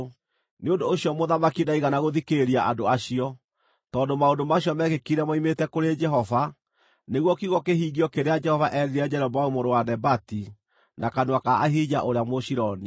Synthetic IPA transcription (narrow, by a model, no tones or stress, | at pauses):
neondoːɕjɔmoðamakinaiɣanaɣoðikeɾiaʔadoaɕiɔ | tɔːndomaondomaɕijɔmɛɣekiɾɛmɔimetɛkoɾed͡ʒɛɦɔva | neɣwɔkiɣɔkehiːɡiɔkeɾead͡ʒɛhɔvaʔɛɾiɾad͡ʒɛɾɛbɔaumoɾowanɛbati | nakanwakaaɦid͡ʑaʔoɾeamoɕiɾɔni